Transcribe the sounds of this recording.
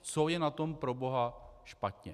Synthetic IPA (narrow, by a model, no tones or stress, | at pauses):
t͡sojɛnat̪o̞mpɾo̞bo̞ɦaʃpat̪ɲɛ